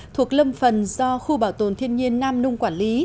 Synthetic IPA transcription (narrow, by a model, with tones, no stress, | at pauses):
t̪ʰu˨˩ək̚lə˧mfə˨˩nzɔ˧xu˧ɓaː˧˩wt̪o˨˩nt̪ʰi˧ənɲi˧ənːaː˧mnʊ˧ŋ͡mkwaː˧˩nli˨˦